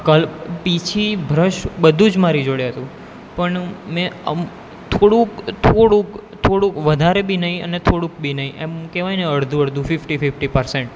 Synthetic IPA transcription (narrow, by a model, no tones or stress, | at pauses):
kəlppit͡ʃʰibʱɾəʃbəd̪ʱũd͡ʒmaɾid͡ʒoɽeɦət̪ũ | pəɳmɛ̃ə̰m | t̪ʰoɽũkt̪ʰoɽũkt̪ʰoɽũkʋəd̪ʱaɾebʱinəɦĩə̰net̪ʰoɽũk̚bʱinəɦĩʔḛmkeʋajneəɽd̪ʱũəɽd̪ʱũfɪfʈifɪfʈipəɾseɳʈ